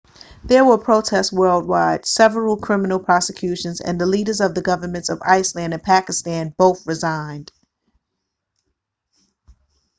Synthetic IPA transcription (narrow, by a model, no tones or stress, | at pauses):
ðə˞wəpʰɹ̥oʊtʰɛst̚wɜ˞lˠd̚waɪd̥sɛvɹl̩ˠkʰɹ̥ɪ̃mənl̩ˠpʰɹ̥ɑsɨkʰj̥ʉʃɨ̃nzɨ̰̃nðəliɾə˞zʌvðɨɡʌvə˞mɨ̃ntsʌva̰ɪslæ̃nɨ̃npʰækɨstæ̃nboʊθɹɨzãɪ̃nd̥